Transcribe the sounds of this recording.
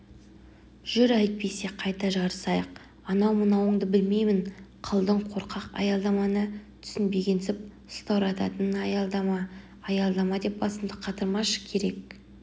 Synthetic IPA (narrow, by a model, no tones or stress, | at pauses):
ʒ̥ʏɾæjt̪̚pe̞jse̞qʰɑjt̪ɑʒɑɾəsɑjəq̚ | ɑnɑwmənɑwəɴd̪əbɪlme̞jmɪɴqʰəlˠd̪əɴqʰo̞ɾqʰɑqɑ̰jɑlˠd̪ɑmɑnət̪ʰʏ̥sɪnbe̞ɡʲe̞nsɪp̚ | st̪ɑwɾɑt̪ɑ̰t̪ənɑjɑlˠd̪ɑɑː | jɑlˠd̪ɑmɑd̪e̞p̚bɑsəmd̪əqʰɑt̪əɾmɑʃə̥kʲʰe̞ɾe̞k̚